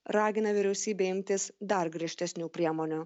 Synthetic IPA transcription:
ɾɑːɡʲɪnɐʋʲɪɾʲɛʊsʲiːbʲɛːɪmʲt̪ʲɪsd̪ɐɾɡɾʲiɛʃʲt̪ʲɛsʲnʲuːpʲɾʲiɛmɔːnʲʊ

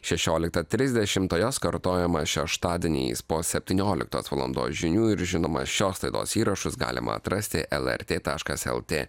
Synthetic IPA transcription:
ʃʲɛʃʲoːlʲɪk̚t̪ɐt̪ʲɾʲɪzʲd̪ʲɛʃʲɪmt̪oːjoːskɐɾt̪oːjɛmɐʃʲɛʃt̪ɑːd̪ʲɪnʲɛ̰ːspoːsʲɛpʲt̪ʲiːnʲoːlʲɪ̰k̚t̪o̰ːsʋɐlˠɔ̰nd̪o̰ːsʒʲɪnʲuːɪɾʒʲɪnoːmɐ̰ʃʲoːslˠɐɪd̪o̰ːsiːɾɐʃʊsɡɑ̰ːlʲɪ̰mʔɐ̰ɐ̰t̪ɾɐsʲt̪ʲɪ̰ʔɛlˠɛ̰ɾʲt̪ʲeːt̪ɑːʃkɐsɛ̰lˠt̪ʲeː

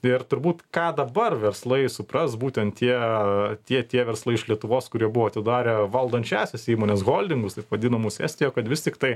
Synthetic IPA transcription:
ɪrt̪ʊɾbuːt̪kɑːd̪ɐbɐrʋʲɛrslˠɐɪsʊprɐsbuːt̪ʲɛnt̪tʲiɛt̪ʲiɛt̪ʲiɛʋʲɛɾslˠɐɪɪʃlʲiɛt̪ʊʋoːskʊɾʲiɛbʊʋoːɐt̪ʲɪd̪ɑːɾʲeʋɐlˠd̪ɐnʲt͡ʃʲæːsʲɛsiːmoːnʲeːsɣoːlʲd̪ʲɪŋɡʊst̪ɐɪpʋɐd̪ʲɪnɐmuːsʲæ̰ːsʲt̪ʲɪjoːkɐt̪ʋʲɪst̪ʲɪkt̪ɐɪ

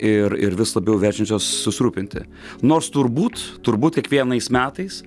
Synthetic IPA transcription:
ɪɾɪɾʋʲɪslˠɐbʲɛʊʋʲæːt͡ʃʲɛnʲt͡ʃʲoːsːʊsʲɪɾuːpʲɪnʲt̪ʲɪ̰ | noːrst̪ʊɾbuːt̪t̪ʊɾbuːt̪̚kʲiɛkʋʲiɛnɐɪsmʲæːt̪ɐɪs

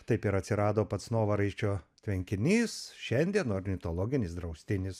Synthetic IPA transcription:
t̪ɐɪpɪɾɐt̪ʲsʲɪɾɑːd̪oːpɐt̪snoːʋɐɾɐɪʃt͡ʃʲoːt̪ʲʋʲɛŋʲkʲɪnʲiːsʃʲɛnʲd̪ʲiɛnoːɾʲnʲɪt̪oːlˠoːɡʲɪnʲɪsd̪ɾɐʊsʲt̪ʲɪnʲɪs

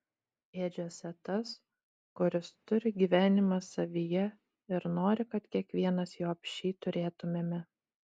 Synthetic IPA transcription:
eːd͡ʒʲoːsʲɛt̪ɐs | kʊɾʲɪst̪ʊɾʲɪɡʲiʋʲæːnʲɪmɐsɐʋʲijɛ | ɪɾnoːɾʲɪkɐt̪kʲiɛkʋʲiɛnɐsjoːɐpʲʃʲiːt̪ʊɾʲeːt̪ʊmʲeːmʲɛ

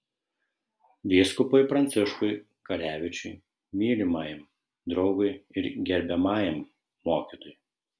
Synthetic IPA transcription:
d̪ʲɪskʊpɐɪpɾɐnʲt̪sʲɪʃkʊɪ | kɐɾʲæːʋʲɪt͡ʃʲʊɪ | mʲiːlʲɪmɑːjɛm | d̪ɾɒʊɡʊɪɪɾɡʲɛɾʲbʲɛmɑːjɛmː | oːkʲit̪oj

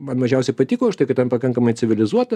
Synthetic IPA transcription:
mɐnmɐʒʲɛʊsʲɛɪpɐt̪ʲiːkoːɐʃt̪ɐɪkɐt̪ʲɛnpɐkɐŋkɐmɐɪt͡s̪ʲɪʋʲɪlʲɪzuɔt̪ɐ

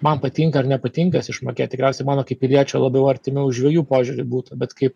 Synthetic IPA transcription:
mɐnpɐt̪ʲiŋkɐɐɾnʲɛpɐt̪ʲiːŋkɐsʲɪʃmoːkʲeːt̪t̪ʲɪkɾʲɛʊsʲɛɪmɑːnoːkɐɪp̚ʲɪlʲiɛt͡ʃʲɛlˠɐbjɛʊɐɾʲt̪ʲɪmʲɪʊʒdʲʋʲiɛjuːpoːʒʲʊɾʲʊbuːt̪ɐbʲɛt̪kɐɪp

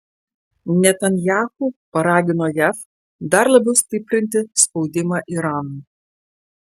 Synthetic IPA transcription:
nʲɛt̪ɐnʲjæːxuːpɐɾɑːɡʲɪnoːjæf | d̪ɐɾlˠɐbʲɛʊsʲt̪ʲɪpʲɾʲɪnʲt̪ʲɪspɒʊd̪ʲɪmɑːʔiɾɑːnu

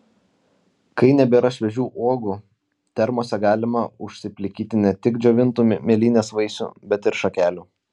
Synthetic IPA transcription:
kɐɪnʲɛbʲɛɾɐʃʲʋʲɛʒʲuːʔoːɡuː | t̪ʲɛɾmoːsʲɛɡɑːlʲɪmɐʊʃʲsʲɪpʲlʲɪkʲiːt̪ʲɪnʲɛt̪ʲɪkd͡ʒʲoːʋʲɪnt̪uːmʲeːlʲiːnʲeːsʋɐɪsʲṵːbʲɛt̪ɪɾʃɐkʲæːlʲuː

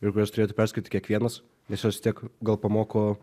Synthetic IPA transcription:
ɪkʊɾɛstʊɾeːjt̪ʊpʲɛrsʲkʲːt̪ʲɪkʲiɛkʋʲiɛnɐs | nʲɛsjɛst̪ʲiɛkɡɐlˠpɐmoːkoː

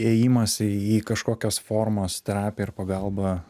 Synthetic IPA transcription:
eːjiːmɐsʲɪiːkɐʃkoːkʲosfoːɾmoːst̪ʲɾʲæːpʲɛɪɾpɐɡɐlˠbɐ

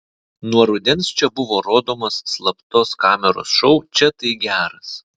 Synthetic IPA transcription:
nuɔɾʊd̪ʲɛnst͡ʃʲɛbʊʋoːɾoːd̪oːmosːlˠɐpt̪oːskɑːmʲɛɾo̰ːsʃɔʊt͡ʃʲɛt̪ɐɪɡʲæːɾɐs

